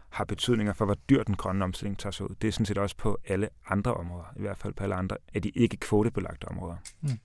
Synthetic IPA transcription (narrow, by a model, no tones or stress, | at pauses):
hɑ̈b̥e̝t͡sʰyð̞̰ˠne̝ŋɐfɒ̽ʋɒd̥yɐ̰d̥enɡ̥ʁɶnəɒ̽msd̥e̝l̰e̝ŋt͡sʰɑ̈ːsṵð̰ˠd̥e̝æɐsɔ̽n̩sḭːd̥ɒ̽sə̥pʰɒ̽æləɑ̈nd̥ʁɐʔɒ̽mʁɔ̽ːð̞ˠɐiʋæɐ̰d̥fæl̰pʰɒ̽æləɑ̈nd̥ʁɐæɐd̥iʔe̝ɡ̥əkʰʋo̝ːɾ̥əb̥e̝lɑ̈ɡ̥d̥əɒ̽mʁɔ̰ːðˠɐ